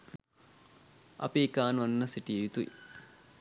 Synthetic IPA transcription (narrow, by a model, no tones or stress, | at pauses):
ɐ̰piːkaːnuʋɐnːəsiʈieʋit̪uḭ